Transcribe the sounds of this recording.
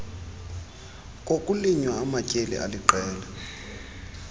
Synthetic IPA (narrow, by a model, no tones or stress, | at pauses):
k̬ʼokʼuliɲwaːmacʼelḭʔa̰liǃɛːlɛ